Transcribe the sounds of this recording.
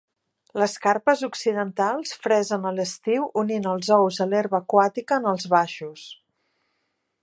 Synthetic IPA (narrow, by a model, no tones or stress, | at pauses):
ləskarpəzuksiðənt̪alˠsfɾɛzənələst̪iwuninəlˠzɔwzəleɾβəːkwat̪ikəːnəlˠzβaʃus